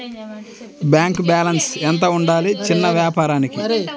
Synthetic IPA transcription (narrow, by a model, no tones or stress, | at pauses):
bjaːŋkbaːlɐnsɛnt̪ɐuɳɖaːlit͡ʃinːɐʋjaːpaːɾaːniki